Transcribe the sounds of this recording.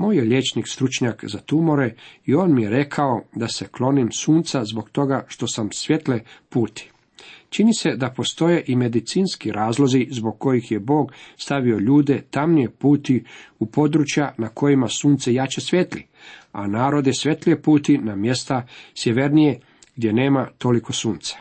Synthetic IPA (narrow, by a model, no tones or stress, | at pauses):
moːjeʎe̞t͡ʃnikst̪ɾut͡ʃɲakzat̪umo̞ɾe̞io̞ːnmije̞ɾe̞kʰao̞d̪ase̞klˠo̞nimsuːnt̪sazbo̞ɡt̪o̞ɡaʃt̪o̞samsʋje̞t̪lepuːt̪i̥ | t͡ʃinise̞d̪apo̞st̪o̞je̞ʔime̞d̪it̪siːnskiɾʔaːzlˠo̞zizbo̞ɡ̚ko̞jixje̞bo̞ːɡst̪aʋio̞ʎuːd̪e̞t̪amnijepuːt̪iupo̞d̪ɾut͡ʃjanako̞jimasuːnt̪sejat͡ɕesʋʲjet̪lḭ | a̰naːɾo̞d̪jɛsʋʲje̞t̪liepuːt̪inamje̞st̪asjeʋe̞ɾnije̞ | ɡd̪ʲje̞ne̞ːmat̪o̞liko̞suːnt̪sḁ